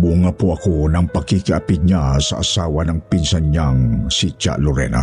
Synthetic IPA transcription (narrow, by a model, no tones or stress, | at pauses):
buŋapoʔɐkonɐŋpɐkikɪʔapɪd̪̚ɲasɐ̰ʔɐsaːwɐnɐŋpinsanɲaŋsit͡ʃa̰loɾɛ̰na̰